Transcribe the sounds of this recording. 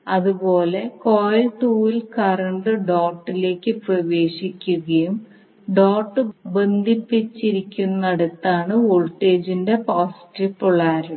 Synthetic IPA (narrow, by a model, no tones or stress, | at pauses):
ɐðubo̞ːle̞koːjlʈuːilkɐrɐɳɖɨɖoːʈːile̞ːkʲːɨprɐʋe̞ːɕikʲːuɣɐjum | ɖoːʈːɨbend̪ʱipːit͡ɕːiɾikʲːunːɐɽɐt̪ːaːɳɨoɭʈːeːd͡ʑinde̞paːsʈipːuɭːaːɾu